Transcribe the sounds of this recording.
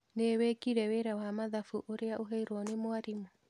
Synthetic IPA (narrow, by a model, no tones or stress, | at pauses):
newɛkiɾɛweɾawamaðafuʔoɾeaʔoɦɛiɾwɔnemoaɾimu